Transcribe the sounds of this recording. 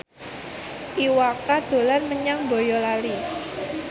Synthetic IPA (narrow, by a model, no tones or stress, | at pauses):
ʔiwakad̪̥o̤lanməɲaŋbojɔlali